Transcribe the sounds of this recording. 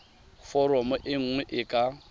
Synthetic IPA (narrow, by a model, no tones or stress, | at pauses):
fɔɾɔmɔʔɪŋ̩ŋwɛʔɪkʼa